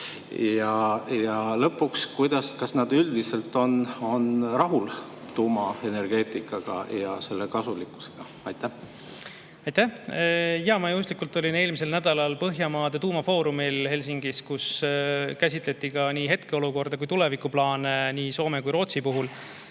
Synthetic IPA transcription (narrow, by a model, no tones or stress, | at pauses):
jɑjɑlɤpːukskujd̪̥ɑskɑsnɑd̪̥yld̪̥ise̞lt̪ːˑo̞no̞nrɑɦul | t̪uːmɑe̞ne̞rɡ̥e̞ːt̪ˑikːˑɑɡ̥ɑ̰jɑse̞lːekɑsulikːˑu̥se̥ɡ̥ɑ | ɑjt̪ːæh | ɑjt̪ːæh | jɑmɑjust̪likːult̪ːˑo̞lʲine̞ːlmise̞lnæd̪̥ɑlɑlpɤɦjɑmɑːd̪̥e̞t̪uːmɑfo̞ːɾumilhe̞lʲs̬iŋɡ̥iskuskæsʲit̪le̞t̪ˑːikɑniːɦe̞t̪̚ke̞o̞luko̞rd̪ɑkujt̪ule̞vikːˑuplɑːneniːso̞ːme̞kujɾo̞ːt̪sipuɦul